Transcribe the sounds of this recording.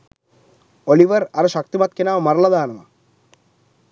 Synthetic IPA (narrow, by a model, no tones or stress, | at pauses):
oliʋɐɾɐɾɐʃɐkt̪imɐt̪̚kenaːʋɐmɐɾɐlɐd̪aːnɐʋa̰